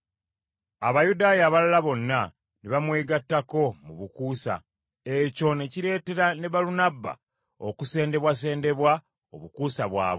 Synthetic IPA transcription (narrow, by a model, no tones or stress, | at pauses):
aβajudaːjaːβalalaβo̞nːa | neβamwe̞ːɡatːako̞muβukuːsa̰ | eco̞ne̞ciɾe̞ːte̞ɾane̞βalunabːa̰ | o̰kuse̞ːnde̞βwas̬e̞ːnde̞βwa | oβukuːsaβwa̰ːβo